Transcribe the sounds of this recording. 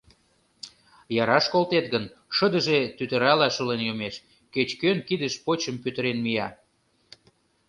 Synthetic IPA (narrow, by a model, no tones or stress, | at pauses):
jɑɾɑʃkolt̪et̪ɣənʃəd̪ə̆ʒet̪yt̪ə̆ɾɑlɑʃulenjomeʃ | ket͡ɕkønkid̪əʃpot͡ɕəmpyt̪əɾenmijɑ